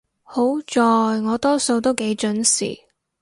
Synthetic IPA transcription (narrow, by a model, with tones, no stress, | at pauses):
ho˨˥wt͡ʃɔː˨jŋɔː˨˧t̪ɔː˥so˧wt̪o˥wke˨˥jt͡ʃɵ˨˥nsḭː˨˩